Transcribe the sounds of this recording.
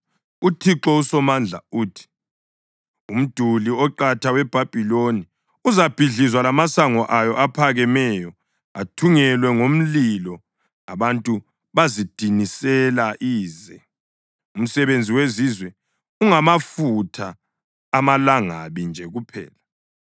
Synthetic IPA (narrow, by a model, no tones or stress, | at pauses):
utʰiǁɔusɔmand͡ɮʱa̰uːtʰi̥ | um̩d̥ʱuliɔǃatʰawɛb̥ʱab̥ʱiloni | uzab̥ʱiɮizwalamasaŋɔʔajɔʔapʰaɣɛmɛjɔ | atʰuŋɛlwɛŋom̩lilɔ | aβantʼu | βazid̥ʱinisɛlaʔiːzɛ | um̩sɛβend͡zʱiwezizwɛ | uŋamafutʰaː | malaŋa̰βind͡ʒʱɛɣupʰɛ̰ːla